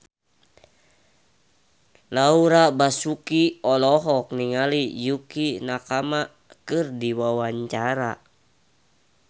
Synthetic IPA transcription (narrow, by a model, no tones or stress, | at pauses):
lauɾabasukiɔlɔɦɔk̚niŋalijukinakama | kɨrdiwawaɲt͡ʃaɾa